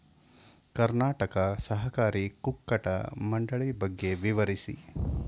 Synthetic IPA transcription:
kɐɾnaːʈɐkɐsɐɦɐkaːɾikukːɐʈɐ̰mɐɳɖɐɭibɐɡːe̞ʋiʋɐɾisḭ

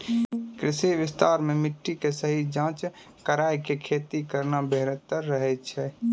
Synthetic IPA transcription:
kɾɪsiʋɪst̪aːɾmẽmɪʈːikesəɦid͡ʒãːt͡ʃ | kəɾaːjkekʰeːt̪ikəɾnabeɦɾət̪ːəɾːəɦɛt͡ʃʰɛː

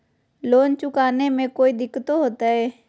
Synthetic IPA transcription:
loːnt͡ʃʊkaːnemẽkoːiːd̪ɪkːt̪oɦoːt̪aɦɛː

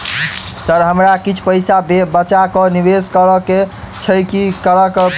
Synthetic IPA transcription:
səɾɦəmɾakit͡ʃʰpəɪsabebət͡ʃakɔniʋeskəɾəke | t͡ʃʰəjkikəɾək

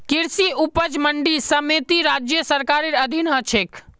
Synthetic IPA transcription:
kiɾsiupəd͡ʒməɳɖisəmet̪iɾad͡ʒjəsəɾkaɾiɾəd̪ʱinɦət͡ʃʰek

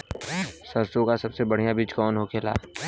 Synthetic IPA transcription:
səɾsõkasɐbsebəɽ̤ijabit͡ʃkɔːnɦoːkʰeːla̰ː

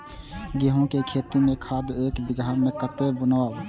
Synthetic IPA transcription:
ɡeɦõkekʰeːt̪imẽkʰaːd̪eːkbɪɡʱamekət̪ebəna

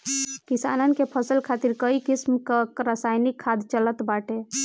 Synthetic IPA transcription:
kisa̰nənkepʰəsəlkʰat̪iɾkəikismkəkɾasajnikʰːad̪t͡ʃələt̪baʈʰe

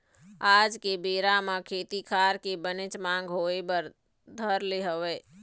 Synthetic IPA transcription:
aːd͡ʒkebeːɾamãkʰeːt̪ikʰaːɾkebənɪt͡ʃmãːŋɡɦoːebəɾ | d̪ʱəɾleɦəʋɛː

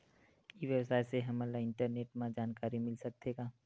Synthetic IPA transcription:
iʋjəwsaːjseɦɐmalaɪ̃ɳʈəɾneːʈmãd͡ʒaːnkaːɾimɪlsək̚d̪eɡaː

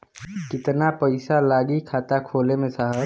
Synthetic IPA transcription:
kɪt̪napəɪsalaːɡikʰaːt̪akʰoːlemẽsaɦə

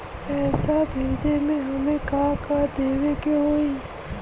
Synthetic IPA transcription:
ɛːsabʱeːd͡ʒemẽɦɐmẽkãːkad̪eːʋekeɦoːiː

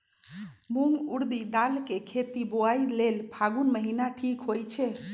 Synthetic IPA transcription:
muŋɡuɾd̪id̪alkekʰet̪iboajlelpʰaɡunməɦinaʈʰikɦojt͡ʃʰɛ

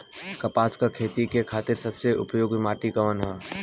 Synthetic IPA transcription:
kɐpaːskakʰeːt̪ikekʰaːt̪ɪɾsɐbseʔʊ̰pjoːɡmaːʈikamənɦaː

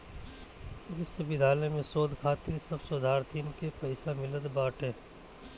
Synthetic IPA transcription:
ʋɪsɐbʱɪd̪ʱaːlnemẽsoːd̪kʰaːt̪ɪɾsɐbsod̪ʱaːɾt̪ʰiːnkepɛɪsamɪləd̪baːʈɦɛː

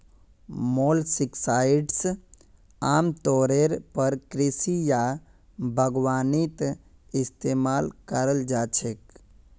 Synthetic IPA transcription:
moːlsɪksaːɪɖs | aːmt̪oːɾeɾpəɾkɾɪsija | bʱəɡwaːnit̪ | ɪst̪eːmaːlkəɾəld͡ʒaːt͡ʃʰek

